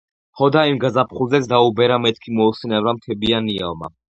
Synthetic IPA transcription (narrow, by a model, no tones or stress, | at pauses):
hɔd̪aimɡazapʰχulˠzɛt̪sʰd̪aubɛɾamɛt̪̚ʰkʰimɔːsɛnɛvɾamt̪ʰɛbiania̰lˠma̰